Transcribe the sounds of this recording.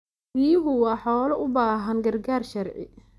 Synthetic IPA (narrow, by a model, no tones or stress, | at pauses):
biːjɦʊwɑːħɔːlɐʔʊbaːɦɐnɡɐrɡaːrʃɐrʕɪ̰